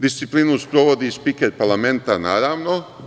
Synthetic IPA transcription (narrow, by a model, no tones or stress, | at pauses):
d̪ist̪sipliːnuspɾo̞ʋod̪ispikeɾpaɾlˠame̞nt̪anaːɾaːʋno̞